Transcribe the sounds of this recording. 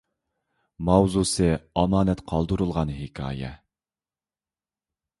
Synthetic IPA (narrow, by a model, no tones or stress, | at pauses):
mɑwzusɨɑmɑːnɛt̪qʰɑlˠd̪ɨɾulˠʁɑnɦɪkʲʰɑ̰ːjɛ̰